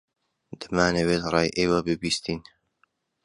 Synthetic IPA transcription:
d̪̥ɨmaːnɐweːt̪rˤɑːjʔeːwabɨbiːst̪iːn

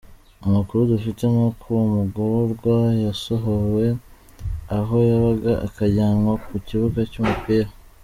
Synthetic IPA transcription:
umukuɾudufite̞mokʰuwumuɡuɾoɾɡwajaso̞ɦowe̞ | aɦo̞jaβaɡaʔa̰kaɟaːŋɡokuciβukacumupiːɾa

